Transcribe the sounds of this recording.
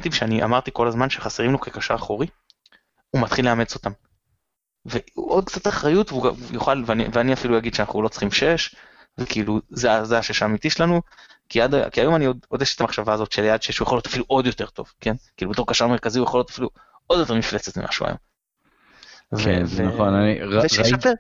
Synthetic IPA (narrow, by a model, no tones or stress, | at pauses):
t̪imʃeaniʔa̰maʁt̪iko̞lazmanʃeχaseʁimnokekaʃaːχoʁi | umat̪χileame̞t͡so̞t̪am | veuʔod̪̚kt͡sat̪aχʁajutvuɡa̰joχalveanḭveaniafilujaɡid̪ʃeanaχulo̞t͡sχimʃe̞ʃ | vekiːluzeazeaʃeʃaːmit̪iʃelanu | kiad̪a̰kiajo̞maniod̪od̪eʃet̪amaχʃavaːzo̞t̪ʃeljad̪ʃeeʃujeχolo̞t̪ḁfiluʔo̞d̪jo̞te̞ʁt̪o̞̰v̥ke̞nkiːlubeto̞ʁkaʃame̞ʁkaziujeχoljo̞t̪ḁfilu | o̞d̪jotemiflet͡set̪mḭmʔa̰ʃua̰jo̰m | vkeveaχonanieʃfe